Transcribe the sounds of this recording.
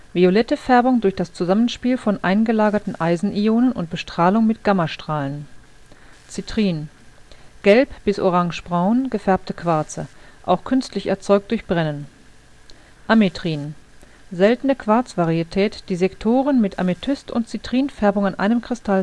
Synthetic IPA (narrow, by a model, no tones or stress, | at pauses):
violɛtəfɛɐbʊŋdʊɐçd̥ast͡suzamənʃpiːlfɔnʔa̰ɪnɡəlaːɡɐtn̩ʔaɪzn̩ʔioːnənʊ̰nt̚b̥əʃtʁ̥aːlʊŋmɪt̚ɡ̥amɐʃtʁ̥aːlən | t͡sitʁ̥iːn | ɡ̥ɛlpb̥ɪsoʁaŋʃb̥ʁaʊnɡ̥əfɛɐp̚təkv̥aɐt͡sə̰ʔa̰ʊxkʰʏnstlɪçɛɐt͡sɔʏk̚td̥ʊɐçb̥ʁɛnən | ʔametʁ̥iːn | zɛltn̩əkv̥aɐt͡sv̥aʁiitʰɛːtd̥iːzɛktʰoːʁənmɪtʔa̰metʰʏstʊ̰ntt͡sitʁ̥iːnfɛɐbʊŋanʔa̰ɪnəmkʁ̥ɪstʰal